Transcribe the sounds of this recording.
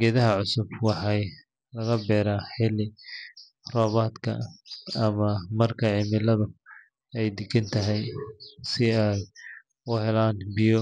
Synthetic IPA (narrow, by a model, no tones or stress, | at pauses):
ɡɛːðɐɦɐʕʊsʊbwɑħɑj | lɐɣɐbɛːɾaːħɪlɪ | rɔːβaːd̪kʰɐ̰ː | mɐmɐrkʰɐʕɪmɪlɐðʊ | ɛjd̪ɪɡɐnt̪ʰɐɦɛjsɪɛj | ʊhɛlaːnbɪjɔ